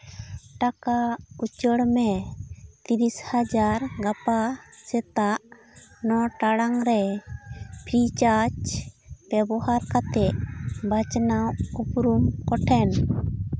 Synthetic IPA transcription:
ʈakaut͡ʃəɽmɛ | t̪iɾishad͡ʒaɾɡapasɛt̪aʔ | nɔʈaɽaŋɾɛ | pʰɾit͡ʃat͡ʃb̥ɛbɔhaɾkat̪ɛʔbat͡ʃnawupɾumkɔʈʰɛn

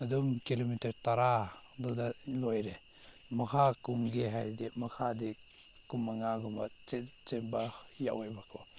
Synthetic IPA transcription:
adumkilomitaɾtaɾa | dɔdalojɾe | makʰakuŋɡeɦajdimakʰadi | kumaŋaɡɔmat͡ʃet͡ʃeba | ja̰wajbakʰɔ

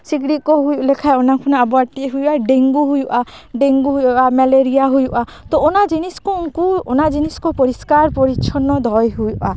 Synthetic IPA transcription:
siɡɾit̪̚kɔɦujuʔlɛkʰajɔnakʰunaabɔaʈiɦujuʔaɖeŋɡuɦujuʔaɖeŋɡuɦujuʔamɛleɾijaɦujuʔa | t̪ɔːnad͡ʒiniskɔuŋkuɔnad͡ʒinisɔ̥kɔpɔɾiskaɾpɔɾit͡ʃʰɔnɔd̪ʱɔjɦujuʔa

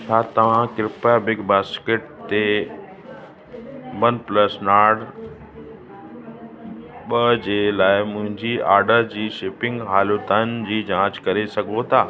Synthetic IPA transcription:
sʰaːt̪ɐʋ̤ãkɪɾɪpabɪɡbaːskeʈ̚t̪e | bənplɐsnaːɖ | ɓɐd͡ʑeːlaːɪmʊ̃ɦɪ̃ɲd͡ʑiaːɾɖəɾd͡ʑiːʃɪːpɪ̃ŋɡɦaːlot̪aːnɪd͡ʑiːd͡ʑãːt͡ɕkɐɾesɐɡʱot̪ʰaː

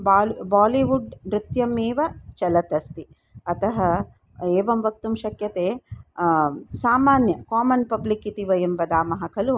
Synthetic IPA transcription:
baːlbaːliʋuɖɾɪt̪jɐmeːʋɐt͡ʃɐlɐt̪ɐst̪i | ɐt̪ɐɦɐ | eːʋɐmʋɐk̚t̪umʃɐkjɐt̪eː | saːmaːnjɐkaːmɐnpɐblikit̪iʋɐjɐmʋɐd̪aːmɐɦɐkʰɐlu

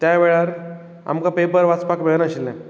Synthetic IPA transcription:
t̪jaʋeɭaɾ | a̰mkapepəɾʋat͡spakbʱeɡnaɕilnɛ̃

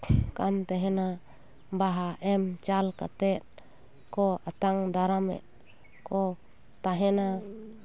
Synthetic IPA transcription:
ka̰mt̪ɛɦɛna | baɦaʔɛmt͡ʃalka̰t̪ɛt̪̚ | kɔat̪aŋd̪aɾamɛ̰ʔ | kɔ | t̪aɦɛna

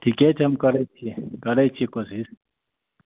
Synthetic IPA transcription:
ʈʰiket͡ʃʰɐmkɐɾet͡ʃʰikɐɾet͡ʃʰikosiɾ

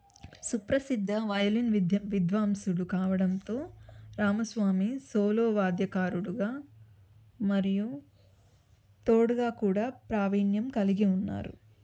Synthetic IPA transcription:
supɾɐsid̪ʱːɐʋɐjɐlinʋid̪ʱʋaːmsuɽukaːʋɐɽɐnt̪o̞ːɾaːmɐsʋaːmisoːloːʋaːd̪jɐkaːɾuɽuɡaː | mɐɾiju | t̪oːɽuɡaːkuːɽaːpɾaːʋiːnjɐmkɐliɡiunːa̰ːɾṵ

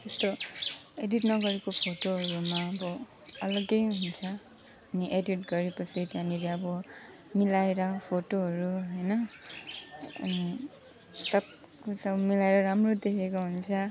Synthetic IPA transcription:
t̪est̪oeditnʌɡʌɾekopʰotoɦʌɹumaʌbɔ | ʌlʌɡejɦunt͡sʰʌ | aniʔeditɡʌɹipʌsit̪aniɾeʌbʌ | milajɾʌpʰoʈoɦʌɹuɦʌjnʌ | sʌb̚ | kosʌmilajɾʌɾamɹod̪ekʰekoɦunt͡sʰʌ

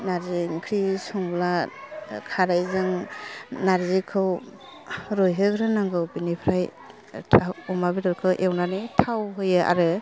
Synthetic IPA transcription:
naɾzeŋkʰɾisɔŋbla | kʰaɾajzɯŋnaɾzikʰɯw | ɾɔjɦɯkɾɯnaŋɡɯwbinipʰɾajʰ | aɔmabidɔɾkʰɯwʔewnanɯtʰawɦɯjɯʔa̰ɾɯ

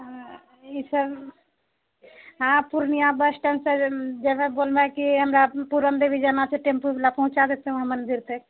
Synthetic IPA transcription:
isəb | ɦãpuɾnijabəsʈənsed͡ʒemebolmekiɦəmɾapuɾənd̪ebʱid͡ʒənaseʈempublapəɦũt͡ʃad̪et̪eɦũɦəmənd̪iɾt̪ʰek

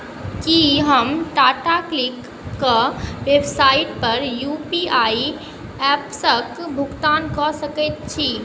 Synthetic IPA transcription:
kiɦəmʈaʈaklikː | əʋebsaiʈpəɾjupiai | ɛpsəkbʱuɡt̪ankɔsəkɛt̪̚t͡ʃʰi

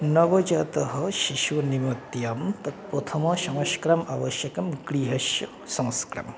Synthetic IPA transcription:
nɐʋɐd͡ʒɐt̪ɐɦɐʃiʃʋɐnimɐt̪jaːmt̪ɐt̪̚pot̪ʰɐmɐʃɐ̃wʃkɾɐmaʋɐʃjɐkɐmɡɾiːɦɐʃjɐ | sɐ̃ŋskɾɐ̰m

